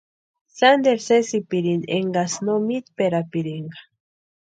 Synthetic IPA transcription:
sand̪eɾsesipiɾinḛŋɡasnomit̪peɾapiɾiŋɡḁ

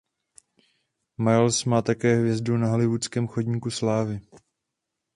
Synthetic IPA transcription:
maɾlsmaːt̪akɛːɦvjɛzdunaɦalɪvut͡skɛːmxodɲiːkuslaːvɪ

